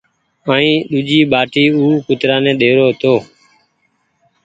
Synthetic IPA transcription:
əːĩːɗ̪ʊd͡ʒiːɓaːʈiːuːkʊt̪ɾãːnẽːɗeːɾoːɦt̪oː

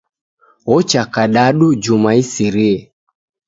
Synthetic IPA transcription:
ɔt͡ʃakaɗaɗud͡ʒumaisiɾiɛ

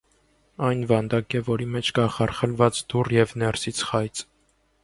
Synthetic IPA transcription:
ɑjnvɑnd̪ɑkɛvɔɾimɛt͡ʃʰkɑχɑɾχəlvɑt͡sd̪urjɛvnɛɾsit͡sʰχɑjt͡s

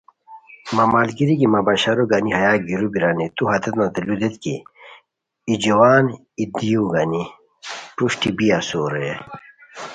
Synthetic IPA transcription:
mɐmaːlɡiɾikimabaɕaɾoɡaniɦɐjaːɡiɾubiɾanit̪uɦat̪ɐt̪nat̪elud̪et̪kḭ | id͡ʑɐwaːn | id̪ijũɡani | puʂʈibiasoːɾee

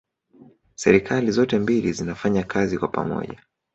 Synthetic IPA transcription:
sɛɾikʰalizɔtɛmbilizinafaɲakazikwapa̰mɔ̰ʄa

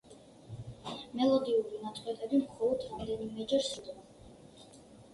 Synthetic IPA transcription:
mɛlˠɔd̪iuɾinat̪sʼwɛt̪ʼɛbimχɔlˠɔd̪ɾamd̪ɛnimɛd͡ʒɛɾsud̪va

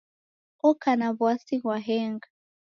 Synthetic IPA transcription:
ɔkanaβwasiɣwaɦɛŋɡa

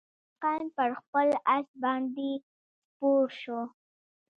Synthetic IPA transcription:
qɑnpəɾxpəlas̚bɑnd̪e | poɾʃo

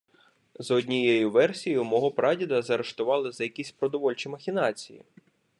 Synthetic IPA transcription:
zɔdʲnʲijɛjʊʋɛrsʲijʊmɔɦɔpɾʔɑdʲid̪ɐzɐɾeʃt̪ʊʋɑlˠɪzɐjɐkʲisʲpɾɔd̪ɔʋɔlʲt͡ʃimɐxʲinɑt͡sʲijḭ

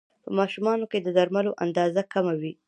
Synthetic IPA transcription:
pəmɑʃumɑnoked̪əd̪aɾmaloʔand̪ɑzakamawi

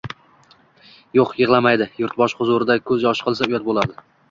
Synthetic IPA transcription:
joqjɨʁlˠamajd̪ɪjʊɾt̪̚bɒʃχʊzʊɾɪd̪akʰɵzjɒʃqʰɨlˠsaʊjɒt̪̚bolˠad̪ɪ

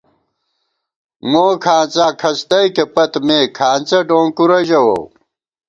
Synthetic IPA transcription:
moːkʰaːnt͡saːkʰɐst̪ɐjkepɐt̪meːkʰaːnt͡sɐɖõːŋkuɾɐd͡ʑɐwo̰

